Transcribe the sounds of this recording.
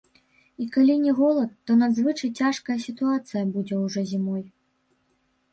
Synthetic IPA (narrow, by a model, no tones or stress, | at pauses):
ikalʲinʲɛɣɔlˠɐt̪ːɔnad̪zvɨt͡ʂɐjt͡sʲaʂkɐjɐsʲit̪uat̪sɨjɐbud͡zʲɛwʐɔzʲimɔj